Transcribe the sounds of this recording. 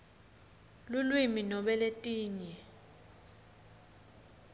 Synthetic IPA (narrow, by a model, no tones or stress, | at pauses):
lulwiminɔɓɛletʼiːɲɛ